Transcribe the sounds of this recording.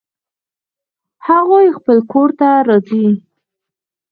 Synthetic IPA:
haɣojxpəlkoɾt̪aɾɑzi

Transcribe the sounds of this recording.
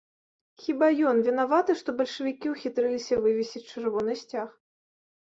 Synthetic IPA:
xʲibajɔnvʲinavat̪ɨʂt̪ɔbɐlʲʂɨvʲikʲiwxʲit̪ɾɛlʲisʲɐvɨvʲɛsʲit͡s̚ʲt͡ʂɨrvɔnɨsʲt͡sʲax

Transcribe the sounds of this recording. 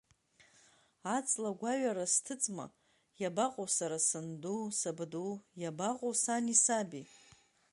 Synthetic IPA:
at͡sʼlaɡʷaɥaɾastʰɨt͡sʼma̰ | jabaqʼowsaɾasɨndusabdujabaqʼowsanisabi

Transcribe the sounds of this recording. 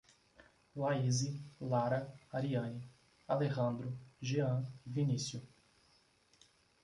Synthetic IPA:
laizilaɾɐaɾiɐ̃ni | aleɣɐ̃nd̪ɾʊʒeɐ̃vinisjʊ

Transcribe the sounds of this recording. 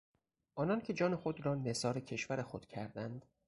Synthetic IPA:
ʔɒːnɒːncʰe̞d͡ʒɒːne̞xod̪ɾɒːne̞sɒːɾecʰe̞ʃvæɾe̞xod̪̥cʰæɾd̪ænd̪̥

